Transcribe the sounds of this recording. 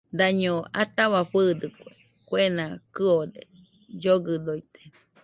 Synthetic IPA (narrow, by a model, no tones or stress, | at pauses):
d̪aɲõat̪aβaɸɨd̪ɨkʷe | kʷenãkɨod̪e | d͡ʒoɡɨd̪ojt̪e̥